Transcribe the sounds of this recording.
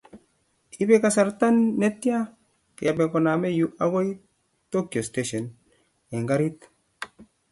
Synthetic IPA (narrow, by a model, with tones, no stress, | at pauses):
i˦be˦ka˨sa˨ɾt̪a˦nːe˦t̪ːi˦a˦ | ke˨be˨ko˨na˨me˦ju˦ʔa˦wo˦j | t̪o˦ki˨o˨steʃe˨n | e˨ŋɡa˦ɾi˦t̪